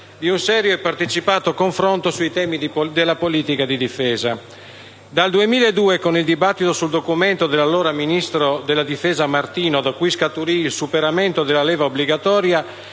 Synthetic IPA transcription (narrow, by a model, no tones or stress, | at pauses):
d̪iunsɛːɾjoɛpːart̪et͡ʃipaːt̪okoɱfɾont̪osuit̪ɛːmid̪elːapoliːt̪ikad̪id̪ifɛːza | d̪ald̪uemiːlaed̪uːekonild̪ibat̪ːit̪osuld̪okumɛnt̪od̪elːalːɔːɾaminist̪ɾod̪elːad̪ifɛːzamart̪iːnod̪akujskat̪uɾiːlsupeɾamɛnt̪od̪elalɛːvaobliɡat̪ɔːɾja